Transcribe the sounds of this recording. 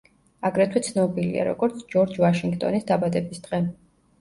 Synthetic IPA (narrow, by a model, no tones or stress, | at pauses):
aɡɾɛt̪ʰwɛt̪sʰnɔbilḭa̰ɾɔ̰ɡɔɾt̪sʰd͡ʒɔɾd͡ʒvaʃiŋɡt̪ʼɔ̰nisd̪abad̪ɛbisd̪ʁɛ